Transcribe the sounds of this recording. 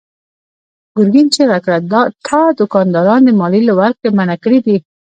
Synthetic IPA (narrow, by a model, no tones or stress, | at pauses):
ɡ̥ʊɾɡint͡ʃeɾakɾad̪t̪ʰad̪ʊkɑnd̪ɔɾɑnd̪ɪmɑlilʊwaɾk̚t̪emanakɾid̪i